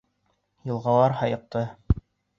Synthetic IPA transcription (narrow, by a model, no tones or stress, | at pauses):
jɤ̆lˠʁɑlˠɑɾɦɑjɤ̆q̚t̪ɤ